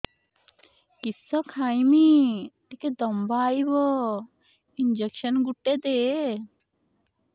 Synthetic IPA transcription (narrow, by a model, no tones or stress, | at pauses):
kisɔkʰajmiʈ̪iked̪ɔmbaːjbɔ | ind͡ʒekʃənɡuʈːed̪e